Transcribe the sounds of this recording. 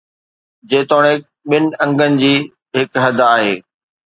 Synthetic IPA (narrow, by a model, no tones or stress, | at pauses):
d͡ʑeːt̪oːɽ̃e | ɓɪnɪ̆ɐ̃ŋɡənɪ̆d͡ʑiː | ɦɪkɦɐd̪ʱaːɦeː